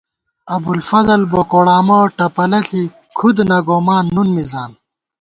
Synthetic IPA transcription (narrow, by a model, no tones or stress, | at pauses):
ɐbulfɐzɐlbokoɽaːmoʈɐpɐlɐɬi | kʰud̪nɐɡoːmaːnːunmizaːn